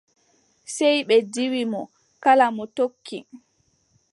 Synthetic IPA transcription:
sɛjɓɛdiwimɔ | kalamɔtokʰːi

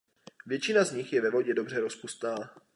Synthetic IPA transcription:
vjɛt͡ʃɪnazɲɪxjɛvɛvo̞ɟɛdo̞br̝ɛɾo̞spust̪naː

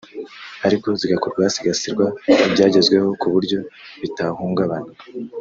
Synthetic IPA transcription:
aɾiko̞ziɡakoɾɡwasiɡasiɾɡwaibɟaːɟe̞zɡwe̞ho̞kuβuɾɟo̞βitahuːŋɡaβana

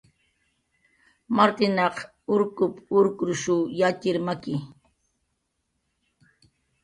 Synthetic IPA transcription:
maɾt̪ɪnɑq | ʊɾkʊpʊɾkɾʊʃujat͡ʃɪɾmakɪ

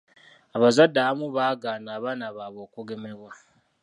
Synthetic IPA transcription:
aβazadːaβamuβaːɡaːnaːβaːnaβaβo̞ːkuɡemeβwa

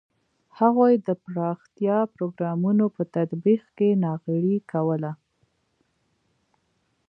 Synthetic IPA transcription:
haɣojd̪əpɾɑxt̪jɑpɾoɡɾɑmunopət̪ad̪biqkenɑɣɪɽikawəla

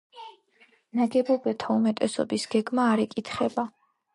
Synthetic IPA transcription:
naɡɛbɔbɛt̪ʰaumɛt̪ʼɛsɔ̰bisɡ̥ɛɡmaːɾɛkʼit̪ʰχɛba

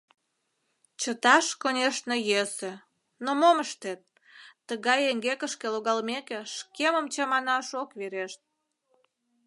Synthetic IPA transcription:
t͡ɕət̪ɑʃkonʲeʃnejese | nomoməʃt̪et̪̚ː | əɣɑjeŋɡekəʃkeloɣɑlmekeʃkeməmt͡ɕɑmɑnɑʃokβeɾeʃt̪̚

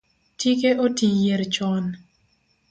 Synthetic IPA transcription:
tik̬eʔotijeɾt͡ʃɔn

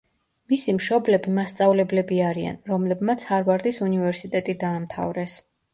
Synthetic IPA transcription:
misimʃɔblɛbimast̪sʼavlɛblɛbiaɾia̰nɾɔmlɛbmat̪sʰhaɾvaɾd̪isunivɛɾsit̪ʼɛt̪ʼid̪aːmt̪ʰa̰vɾɛs

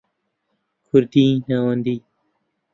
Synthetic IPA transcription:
kʰuɾt̪ĩːnawand̪i

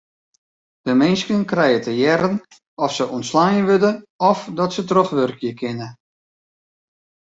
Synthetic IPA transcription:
dəmɪnskənkrɛjətʰəjɛɾən | ɔfsəʔɔntslajənʋødəɔfdɔtsətroχʋørkjəkʰɪnə

